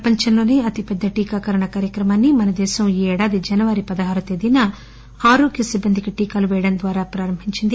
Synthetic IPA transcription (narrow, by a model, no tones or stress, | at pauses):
ɾɐpɐɲt͡ʃɐnloːneːɐt̪ipɛd̪ːɐʈiːkaːkɐɾɐɳɐkaːɾjɐkɾɐmɐnːimɐnɐd̪ɛːsɐmiːɛːɽaːd̪id͡ʒɐnɐʋɐɾipɐd̪ɐɦaːɾut̪ed̪inɐ | aːɾo̞ːɡjɐsibːɐnd̪ʱikɐʈiːkaːluʋeːɽɐnɐd̪ʋaːɾaːpɾaːɾɐmbʱiɲt͡ʃind̪i